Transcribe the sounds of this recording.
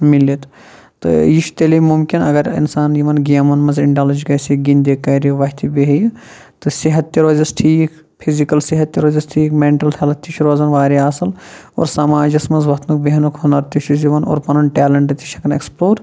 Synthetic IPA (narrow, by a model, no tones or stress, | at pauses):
milːit̪ | t̪ɨ̰jiʃt̪elimumkinɐɡɐɾḭnsaːnjiʋɐnɡijɐmɐnmɐnziɳɖaːlɐd͡ʒɡɐːsiɡind̪eːkːɐjɾiʋɐɦt̪ʰibeɦɐj | t̪ɨsiɦɐt̪ːjɐɾoːzɐsʈʰiːk | pʰizikɐlsiɦɐt̪ːjɐɾoːzɐsʈʰiːkmeːɳʈɐlt̪ʰɐlɐt̪ːiʃʰɾoːzɐnʋaːɾiaːsɐlo̰ːɾsɐmaːd͡ʒɐsmɐnzʋɐt̪ʰnukbeɦɐnukʰhonɐɾt̪iʃiziʋɐno̰ːɾpɐnɐnʈɛːlɐɳʈɐt̪i̥ʃɐkɐneksploːɾ